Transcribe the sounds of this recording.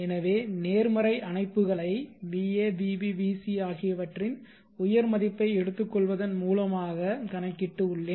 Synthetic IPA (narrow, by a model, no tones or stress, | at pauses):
ɛnɐʋeːneːɾmɐɾɐɪʔɐnɐɪpːɯɣɐɭɐɪʋiːeːbiːbiʋiːsiaːɣɪjɐʋɐʈrɪn | ʊjɐɾmɐðɪpːɐɪɛɽɯt̪ːɯkːɔɭʋɐðɐnmuːlɐmaːɣɐkɐnɐkːɪʈːɯʊɭːeː